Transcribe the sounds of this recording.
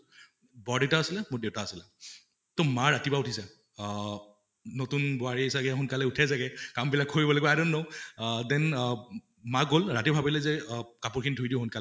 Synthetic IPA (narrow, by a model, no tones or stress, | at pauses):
bɔɹdeʊtaːsilɛmodeʊtaasilɛ | tomaɹatibaʊtʰisɛ | notunbɔaɹiisakɛxʊnkalɛutʰajzaɡɛkambilakːoɹibɔloɡɔaɾɔnːowdɛn | maɡolɹatibʱabilɛzɛkapʊɹkʰinidʱujdiʊ̃ɦʊnkal